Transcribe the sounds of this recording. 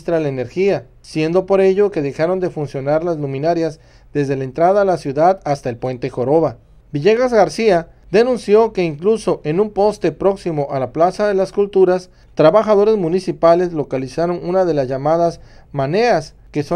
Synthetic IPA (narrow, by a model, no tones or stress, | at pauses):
st̪ɾalaene̞ɾxia | sje̞nd̪o̞po̞ɾe̞ʝo̞ke̞ðe̞xaɾo̞nd̪e̞funsjo̞naɾlazlumĩnaɾjaz | d̪e̞zðe̞lae̞nt̪ɾaðalasjuðaðast̪ae̞lpwe̞nt̪e̞xo̞ɾo̞βa | biʝeɣazɣaɾsia | ðe̞nũnsjo̞ke̞iŋkluso̞ʔe̞numpo̞st̪e̞pɾo̞ksimo̞ʔalaplasaðe̞laskult̪uɾas | t̪ɾaβaxað̞o̞ɾe̞zmunisipale̞zlo̞kalisaɾo̞nunað̞e̞lazʝamað̞azmane̞as | ke̞so